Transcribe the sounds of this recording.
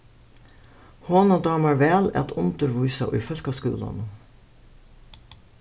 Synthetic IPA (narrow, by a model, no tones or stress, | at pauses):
hoːnoːd̪ɑːmɑɹʋeːlɛ̰t̪ʰʊnt̪əɾʋʊʏsɑʔo̰ʔiːfœlkɑskʉ̰ːlɑ̰n